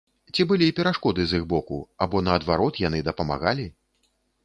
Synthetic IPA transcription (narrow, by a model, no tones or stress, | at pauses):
t͡sʲibɨlʲiːpʲɛɾaʂkɔd̪ɨziɣbɔkuabɔnɐːd̪vaɾɔt̪janɨd̪ɐpɐma̰ɣalʲi